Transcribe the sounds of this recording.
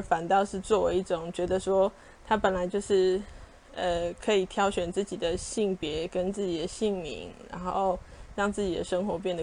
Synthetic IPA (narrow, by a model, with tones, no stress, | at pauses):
fa˨˩nt̪ɑ˥˧ʊʂɻ̩˥˧t͡swɔ˥˩we˧ɪi˥˩ʈ͡ʂʊ˨˩ŋt͡ɕɥɛ˧˥d̪ə˧ʂwɔ˥ | t̪ʰa˥pə˨˩nla˧˦ɪt͡ɕjo˥˧ʊʂɻ̩˥˩ | ə˨˧kʰɤ˧˥i˨˩t̪ʰjɑ˥ʊɕɥɛ˨˩nt͡sɹ̩˥˩t͡ɕi˨˩d̪ə˩ɕi˥˩ŋpjɛ˧˥kə˦nt͡sɹ̩˥˩t͡ɕi˨˩d̪ə˩ɕi˥˩ŋmḭ˧˥ŋɻa̰˧˥nxo˥˧ʊɻɑ˥˧ŋt͡sɹ̩˥˩t͡ɕi˨˩d̪ə̰˦ʂə˥ŋxwɔ˧˥p̬jɛ˥˩nd̪ə˩